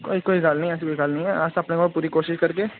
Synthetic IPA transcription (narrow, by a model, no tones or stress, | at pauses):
ko̰ːikoːiɡaːlnɐɦĩɛːs̬ekoːiɡaːlnɐɦĩɦɛaːsɐpnekɔːɾpuːɾikoːʃɪʃkɐɾke